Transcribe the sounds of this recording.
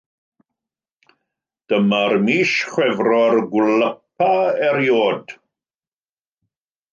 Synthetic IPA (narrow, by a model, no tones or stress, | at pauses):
d̥əmarmiːʃχwɛvrɔrɡwləp̚aɛɾjoːd